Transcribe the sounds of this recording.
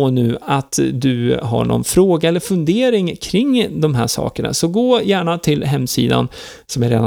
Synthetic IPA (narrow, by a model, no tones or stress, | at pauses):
nʉ̟ːat̪d̪ɵɦa̰ɳɔ̰nfɾoːɡaɛlːəɾfɵnd̪eːɾɪŋkʰɾɪŋːd̪ɔmɦæːʂɑ̰ːkəɳa̰sɔɡoːjæːɳat̪ʰɪlɦɛmːsiːd̪a̰n | sɔmæɾeːd̪a